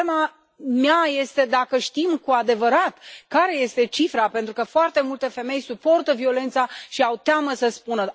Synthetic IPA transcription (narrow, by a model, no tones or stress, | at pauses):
ma | meaje̞st̪e̞d̪akəʃt̪imkuad̪e̞vəɾat̪kaɾe̞je̞st̪e̞t͡ʃifɾape̞nt̪ɾukəfoart̪e̞mult̪e̞fe̞me̞jsupo̞rt̪əvio̞le̞nt̪saʃiawt̪eaməsəspunə